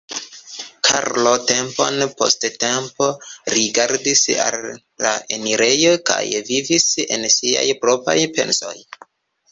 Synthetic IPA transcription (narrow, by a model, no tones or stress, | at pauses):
kʰa̰ɾlo̞te̞mpo̞̰npo̞̰stte̞mpo̞ɾiɡaɾdisa̰lː | aʔe̞niɾe̞jo̞kajvivise̞nsia̰jpɾo̞pajpe̞̰nso̞j